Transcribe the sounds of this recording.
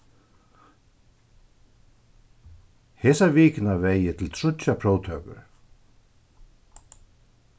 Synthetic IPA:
hɛsaviːknaveːjɪt̪ʰɪlt̪ʰɾʊtapʰɾoːwt̪ʰœːkʏ̰ɾ̥

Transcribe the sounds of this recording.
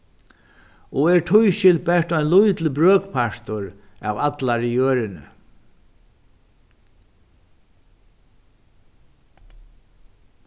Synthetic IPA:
ɔɛɾt̪ʰʊjʃɪl̚bɛʂt̪ɔjnlʊjt̪ləbɾøːkpʰaʂt̪ʊɾ | a̰vat̪laɾijøːɾɪnʏ̰

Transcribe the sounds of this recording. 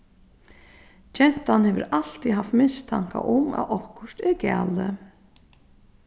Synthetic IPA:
t͡ʃɛn̥t̪anhɛːvəɾal̥t̪iɦaft̪mɪnst̪ʰaŋ̥ka̰ʔʊma̰ʔɔhkʊʂt̪ɪɾkæ̰ːlɪ

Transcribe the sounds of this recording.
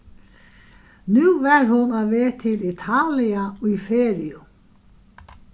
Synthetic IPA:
nʉːvɛɾhʊnaʋeːt̪ʰɪlit̪ʰaːlɪaujfeːɾɪʊ

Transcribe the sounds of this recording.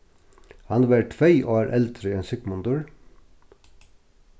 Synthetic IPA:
hɑnʋæʈfœʏʔo̰ːæːɾʔɛlt̪ɾɪeːnsʏkmʊnd̪ʉːɹ

